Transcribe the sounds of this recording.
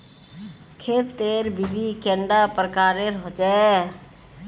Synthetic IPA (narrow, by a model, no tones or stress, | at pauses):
kʰeːt̪ːeːɾbibikɛɳɖapɾəkaːɾeɾɦot͡ʃa